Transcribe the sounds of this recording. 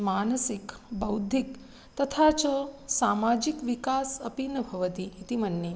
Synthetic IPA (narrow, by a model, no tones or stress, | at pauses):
maːnəsikbɐwd̪ʱik | t̪ət̪ʰat͡ʃəsamad͡ʒikʋikasəpinəbʱɐʋət̪iːt̪imənːi